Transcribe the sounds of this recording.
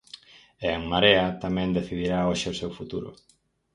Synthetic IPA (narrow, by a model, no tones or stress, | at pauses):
eŋmaɾeɐt̪amɛ̃nd̪eθiðiɾaoʃɪʊsewfut̪uɾʊ̰